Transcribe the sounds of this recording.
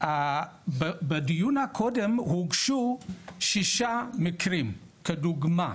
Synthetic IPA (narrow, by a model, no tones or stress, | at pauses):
abbɐdujunakʰodɐmhuɡʃuʃiʃamikʰɾim | kɐduɡma